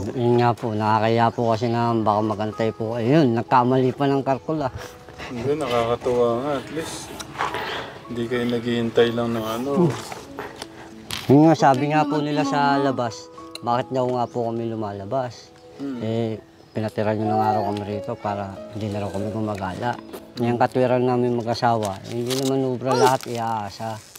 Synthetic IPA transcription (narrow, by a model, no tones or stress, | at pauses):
ɪŋapʊnɐakɐjapʊkɐs̬ɪnambaːkamɐɡɐnt̪ajpukɐjʊjonːɐɡ̚kaʔmɐliːpanɐŋkaɾkola | ɡonːɐkaːkɐt̪ʊwaːŋaɐt̪lis | hhɪnd̪ikɐjʊnɐɡihɪnt̪ajlɐŋnɐŋɐno | hɪŋɲosaːbɪŋapunɪlasɐlɐbasbaːkɪt̪̚d̪ɐwŋapukɐmɪlʊmaːlɐbas | ʔɛ | pɪnɐt̪ɪɾaɲonɐŋaːɾawkɐmɪɾiːt̪o̞paːɾɐhɪnd̪inɐɾawkɐmɪɡʊmaɡaːla̰ʔŋɐjaŋkɐt̪ʊɛɾanːaːmɪŋmɐɡʔɐsaːwɐ̰hɪ̰nd̪inɐmanoːbɾɐlɐhat̪ɪʔaʔaːsa